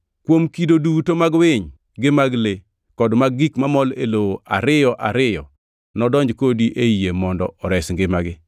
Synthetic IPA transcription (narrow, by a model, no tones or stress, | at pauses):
kwomkidodutomaɡwɪɲ | ɡɪmaɡle | kɔdmaɡɡikmamɔlelowoʔa̰ɾɪjɔʔaɾɪjɔ | nɔdɔɲd͡ʒkodiʔeijemɔndɔ̰ɔɾɛsŋɡɪmaɡɪ